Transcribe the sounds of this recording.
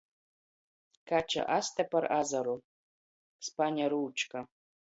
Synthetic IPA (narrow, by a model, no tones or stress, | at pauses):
kʰat͡ʃʰa̰ʔast̪ʰɐpʰɐrazaɾo | spanʲaɾɨːt͡ʃʰka